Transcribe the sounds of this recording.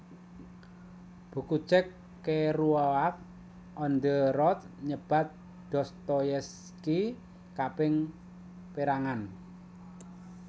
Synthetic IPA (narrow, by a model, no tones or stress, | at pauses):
b̥ṳku̥t͡ʃɛkː | eruawak̚ | ɔnd̪ərɔt̪̚ | ɲəb̥a̤t̪̚ | d̪̥ɔ̤st̪ɔjɛs | ki | kapɪŋ | peɾaŋan